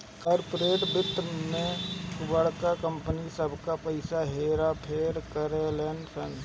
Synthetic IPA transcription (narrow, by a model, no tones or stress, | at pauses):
kəɾpɾeːʈbɪt̪ːmẽbəɽkakə̃mpənisəbʱkapəɪsaɦeːɾapʰeːɾkəɾeleːnsən